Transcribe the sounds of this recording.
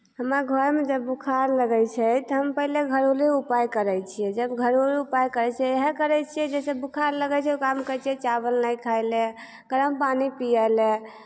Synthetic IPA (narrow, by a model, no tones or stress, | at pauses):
ɦəmaɡʱəɾmed͡ʒəbːukʰaɾləɡɛt͡ʃʰɛt̪ɔɦəmpəɦileɡʱəɾoliupajkəɾɛjt͡ʃʰiɛd͡ʒəbɡʱəɾoliupajkəɾɛt͡ʃʰɛeɦɛkəɾɛt͡ʃʰiɛd͡ʒesebukʰaɾləɡɛt͡ʃʰɛukamkəɾt͡ʃʰiɛt͡ʃabəlnajkʰajle | ɡəɾəmpanipijɛle